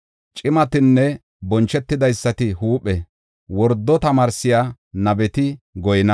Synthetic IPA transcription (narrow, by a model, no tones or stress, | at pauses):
t͡ʃʼɪmɐt̪ɪnːɛ | bɔnt͡ʃːɛt̪ːɪd̪ɐjsːɐt̪ɪhuːpʼːɛ | wɔɾd̪ːɔt̪ɐmaːɾsɪjaː | nɐbɛt̪ɪɡɔjɪnɐ